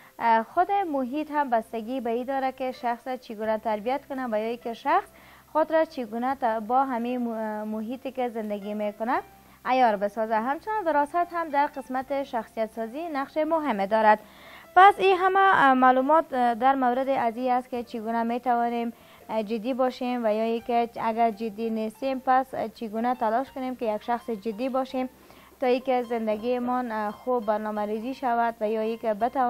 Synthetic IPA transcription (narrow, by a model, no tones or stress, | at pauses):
xʊd̪ɪmʊɦit̪ɦambast̪aɡibaid̪ɔɾakɪʃaxsat͡ʃiɡunat̪aɾbijat̪̚kʊnavajɔikɪʃaxs | xʊd̪ɾat͡ʃiɡunat̪bɔɦamimʊɦit̪ɪkɪzɪnd̪aɡimekʊnaː | jɔɾbɪsɔzaɦamt͡ʃʊnɔnd̪ɪɾɔsat̪ɦamd̪aɾqɪsmat̪ɪʃaxsijat̪sɔzinaqʃemʊɦɪmed̪ɔɾad̪ | pasiɦamamalumɔt̪d̪aɾmawɾɪd̪ɪʔaziast̪̚kɪt͡ʃiɡunamet̪awɔnem | d͡ʒɪd̪ːibɔʃemvajɔikɪaɡaɾd͡ʒɪd̪ːinest̪empast͡ʃiɡunat̪alɔʃkʊnemkɪjaɡʃaxsɪd͡ʒɪd̪ːibɔʃem | t̪ɔikɪzɪnd̪aɡimɔnxubːaɾnɔmaɾiziʃawad̪vajɔikɪbɪt̪a